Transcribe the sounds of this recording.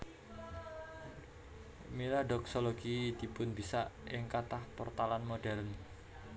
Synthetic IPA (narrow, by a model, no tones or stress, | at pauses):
milaɖɔksoloɡid̪̥i̤pʊnbisaʔɪŋkat̪ahpɔrt̪alanmoɖɛln